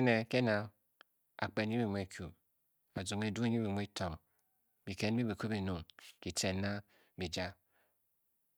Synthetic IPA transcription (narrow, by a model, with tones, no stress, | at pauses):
ne˨ke˦na˨ | a̰˨k͡pe˨n˦i˦bi˨mʷ˨e˦˨kʰu˨ | a˨d͡zu˨ŋe˨du˦ɲi˦bi˨mʷ˦e˦tʰɔ˨ŋ | bi˨ke˦n˦bi˦bi˨ku˦bi˨nu˨ŋki˨tʰe˨nːa˦ | bi˨d͡ʒa˦